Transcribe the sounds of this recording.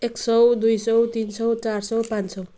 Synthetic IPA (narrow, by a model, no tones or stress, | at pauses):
eksʌwd̪ujsʌwt̪insʌwt͡saɾsʌwpãnsʌw